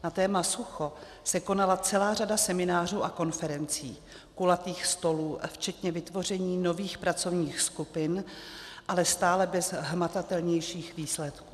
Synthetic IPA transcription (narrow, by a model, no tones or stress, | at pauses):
nat̪ɛːmasuxo̞ | sɛko̞nalat͡sɛlaːradasɛmɪnaːr̝uːʔako̞nfɛɾɛnt͡sḭː | kulat̪iːxst̪o̞luːft͡ʃɛt̪ɲɛvɪt̪vo̞r̝ɛɲiːno̞viːxpɾat͡so̞vɲiːxskupɪnʔalɛst̪aːlɛbɛzɦmat̪at̪ɛlɲɛjʃiːxviːslɛt̪ku̥ː